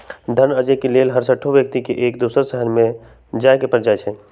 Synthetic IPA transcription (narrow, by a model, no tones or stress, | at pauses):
d̪ʱənəd͡ʒekeleːlɦəɾsəʈʰːoʋjək̚t̪ikeʔeːkd̪uːsəɾsəɦənmẽ | d͡ʒaːkepɾd͡ʒaːet͡ʃʰɛ